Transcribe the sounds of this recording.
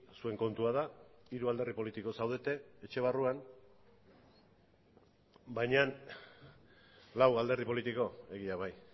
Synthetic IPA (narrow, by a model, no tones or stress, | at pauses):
sue̞ŋko̞nt̪uað̞aiɾuald̪erðipo̞lit̪iko̞sawð̞e̞t̪e̞et͡ʃe̞β̞aruan | bajɲan | lawald̪e̞ɾðipo̞lit̪iko̞e̞ɣiaβaj